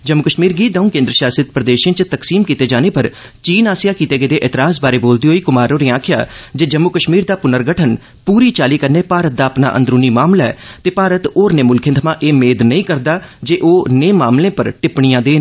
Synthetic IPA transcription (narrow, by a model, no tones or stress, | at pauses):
d͡ʒəmːʊkəʃmiːɾɡiːd̪əũːkẽːnd̪ɾəʃaːsɪt̪pɾəd̪eːʃẽːt͡ʃt̪əksiːmkiːt̪eːd͡ʒaːneːpəɾ | t͡ʃiːnaːsɪjaːkiːt̪eːɡeːd̪eːʔɛːt̪ɪɾaːsbaːɾeːboːld̪iːɦoːiːkʊmaːɾoːɾiãːkʰɪja̰ːd͡ʒeːd͡ʒəmːʊkəʃmiːɾd̪aːpʊnəɾɡəʈʰən | puːɾiːt͡ʃaːliːkəɾneːpaːɾət̪̚d̪aːəpna̰ːʔə̰̃nd̪ɾuːniːmaːmlaːɛ̰ːt̪eːpaːɾət̪oːɾneːmʊlkʰẽnt̪ʰmãːʔeːmeːd̪nəĩːkəɾd̪aːd͡ʒeːʔoːneːmaːmlẽːpəɾʈɪpɽ̃ijãːd̪eːnː